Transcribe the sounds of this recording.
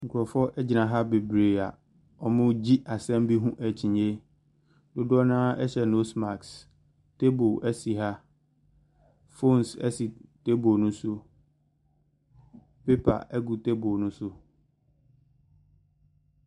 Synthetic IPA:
ŋ̩˨kʰʊ˨ɔ˨fɔ˦ʔɛ˦d͡ʑɪ˨nã˨ɦa˦be˨bɾe˨a˨ | ɔ˨mʊ̃˦d͡ʑi˦ʔa˨sɛ̃˦m˦bi˦ɦũ˦ʔæ˨t͡ɕʰĩ˨ɲe˦ | dʊ˦dɔ˦nãː˦ɛ˦ɕɛ˨no˦sma˨ks | te˦bo˨ʔæ˦si˨ɦa˦ | fo˦˨nsɛ̰˦si˨te˦bo˨nʊ̃˦sʊ˦ | pe˦pʰa̰˨ʔɛ˦ɡu˨te˦bo˨nʊ̃˦sʊ˦

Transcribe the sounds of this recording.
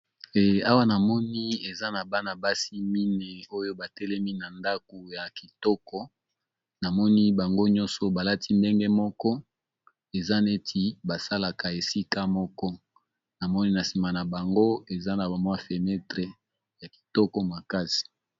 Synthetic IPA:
ɛ˨a˦wa˦na˨mɔ˦ni˦e˨za˦na˨ba˦na˨ba˦si˦mi˦ne˨o˦jo˦ba˨tɛ˦lɛ˦mi˦na˨nda˦ko˨ja˨ki˨tɔ˦kɔ˦ | na˨mɔ˦ni˦ba˨ŋɡo˦ɲɔ̃˦nsɔ˨ba˨la˦tʰi˦nde˦ŋɡe˦mɔ˦kɔ˦ | e˨za˦ne˦tʰi˨ba˨sa˦la˨ka˨e˨si˦ka˦mɔ˦kɔ˦ | na˨mɔ˦ni˦na˨si˨ma˨na˨ba˨ŋɡo˦e˨za˦na˨ba˨mwa˦fe˨nɛ˦tʁe˨ | ja˨ki̥˨tɔ˦kɔ˦ma˨ka˦si̥˨

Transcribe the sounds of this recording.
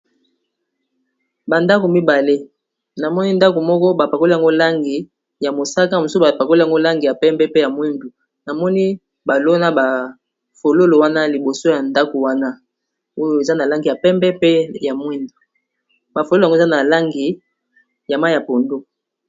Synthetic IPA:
ba˨nda˦ko˨mi˦ba˨le˦ | na˨mɔ˦ni˦nda˦ko˨mɔ˦kɔ˦ba˨pa˨ko˦li˦a˨ŋɡo˦la˦ŋɡi˨ | ja˨mo˨sa˦ka˦˨mo˨so˦ba˨pa˨ko˦li˦a˨ŋɡo˦la˦ŋɡi˨ja˨pɛ˦mbɛ˦pe˦ja˨mwi˦ndu˨ | na˨mɔ˦ni˦ | ba˨lo˦na˦ba˨ | fo˨lo˦lo˨wa˦na˦li˨bo˨so˦ja˨nda˦ko˨wa˦na˦ | o˦jo˦e˨za˦na˨la˦ŋɡi˨ja˨pɛ˦mbɛ˦pe˦ja˨mwi˦ndu˨ | ba˨fo˨lo˦˨ŋɡo˦˨za˦na˨la˦ŋɡi˨ | ja˨ma˦ja˨po˨ndo˦

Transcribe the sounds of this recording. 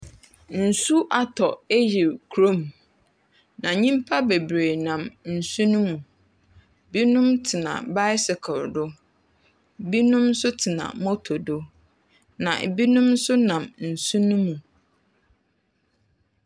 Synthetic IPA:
n̩˨su˦ʔa˨tʰɔ˨e˦ji˨kʰɾo˦˨m | nã˨ɲĩ˦mpʰa˦be˨bɾeː˨nã˨mn̩˨sũ˦nũ˦mũ˨ | bi˦nũ˦mtʰɪ˨nã̰˨ba˦ɪ˦sɪ˨kʰɔ˨ɾdʊ˦ | bi˦nũ˦m˦sʊ˦tʰɪ˨nã̰˨mo˦tʰo˨do˦ | nã̰˨bi˦nʊ̃˦m˦sʊ˦nã˨mn̩˨sũ˦nũ˦mũ˨

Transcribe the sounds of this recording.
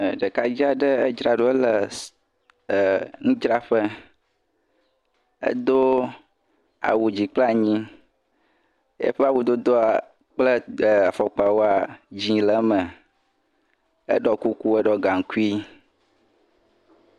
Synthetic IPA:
ɖə˨ka˦d͡ʑi˦a˨ɖə˦ə˦d͡ʒɾa˨ɖo˦ə˦lə˨ | ŋũ˦d͡ʒɾa˦ɸə˦ | ə̰˦d̪o˦ | a̰˨wu˨d͡ʑi˨k͡pla˨ɲĩ˦ | jḛ˦ɸe˦a˨wu˨d̪o˦d̪o˦a˨ | k͡plə˦˨a˨fɔ˨k͡pa˨wo˦a˨d͡ʑĩ˦lə˦mə̃˨ | ə̰˦ɖɔ˦ku˦ku˦ə˦ɖɔ˦ɡa˨ŋ̩˨ku˦i˦

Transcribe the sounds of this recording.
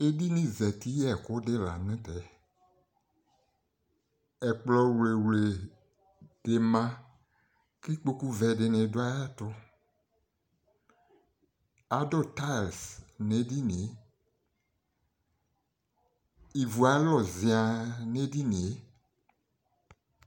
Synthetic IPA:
e˦di˦nĩ˦zɛ˨t̪i˦jɛ˦˨ko˦de˦la̰˨nẽ˦t̪ɛ˨˦ | ɛ˨k͡plɔ˨wle˨wle˨ | ɖ̥e˨mã˦ | ki˦k͡po˦ku˦vɛ˨ɖe˨nẽ˨do˦a˦ja˦t̪ɔ˦ | a˦do˦t̪a˦˨lsnẽ˦di˦nĩ˨e˦ | i˨vu˨a˨˦lɔ˦˨zi˨a˨nẽ˦di˦nĩ˨e˦

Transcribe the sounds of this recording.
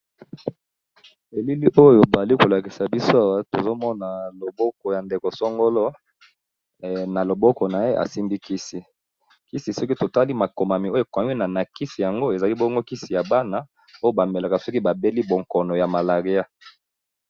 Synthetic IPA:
e˨li˦li˦ʔo˦jo˨ba˨li˦ko˨la˨ki˨sa˨bi˦so˦a˨wa˦to˨zo˦mɔ˦na˨lo˨bɔ˦kɔ˨ja˨nde˨ko˨sɔ˦ŋɡo˦lɔ˦˨ | na˨lo˨bɔ˦kɔ˨na˨je˦ʔa̰˨si˦mbi˦ki˦si˦ | ki˦si˨sɔ˦ki˦to˨ta˦li˦ma˨ko˨ma˨mi˨o˦˨kwa˨mi˦na˨na˨ki˦si˨ja˨ŋɡo˦e˨za˨li˦bɔ˦ŋɡo˦ki˦si˨ja˨ba˦na˨ | o˦jo˦ba˨me˨la˨ka˨so˦ki˦ba˨be˦li˦bo˨ŋkɔ˨nɔ˨ja˨ma˨la˨ʁi˦a˦

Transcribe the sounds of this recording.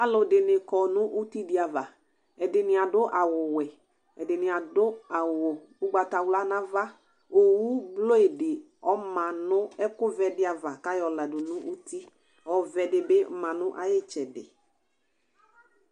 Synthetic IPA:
a˨lʊ˨dɪ˨nɪ˨kɔ˨nʊ̃˦ʔu˦ti˦dɪ˨˦a˨va˨ | ɛ˨dɪ˨nɪ˨a˨dʊ˦ʔa˨wʊ˨wɛ˨ | ɛ˨dɪ˨nɪ˨a˨dʊ˦a˨wʊ˨ | ʊ˦ɡ͡ba˨ta˨wla˦nã˦va˦ | o˨wu˦blo˦e˨dɪ˨ | ɔ˦mã˨nʊ̃˦ɛ˦kʊ˦vɛ˨dɪ˦a˨va˨ka˦jɔ˨la˨dʊ˨nʊ̃˦ʔu˦ti˦ | ɔ˨vɛ˨dɪ˨bɪ˦mã˨nʊ̃˦ʔa̰˨jɪ˦t͡ʃɛ˨dɪ̰˨

